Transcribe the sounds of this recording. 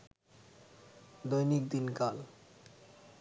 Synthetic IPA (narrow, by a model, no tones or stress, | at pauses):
d̪ojnik̚d̪inkal